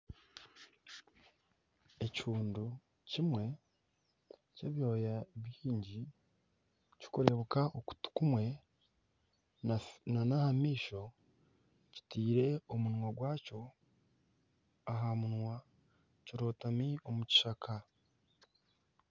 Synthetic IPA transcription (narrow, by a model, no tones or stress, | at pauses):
e̞cuːndu | cimwe̞ | ceβjo̞ːjaβjiːɲɟi | cu̥koɾe̞βukaʔoku̥tu̥kumwe̞ | nanahamiːʃo̞ | ci̥tiːɾe̞omunwaɡwaːco̞ | aɦamunwa | ciɾo̞ːtamiomuci̥ʃakʰa